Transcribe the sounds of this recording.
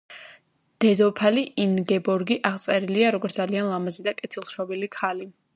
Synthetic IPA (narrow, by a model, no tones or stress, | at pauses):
d̪̥ɛd̪ɔpʰaliinɡɛbɔɾɡiʔaʁt̪sʼɛɾiliaɾɔɡɔɾt̪d̪alianlˠamazid̪akʼɛt̪ʰilˠʃɔbilikʰali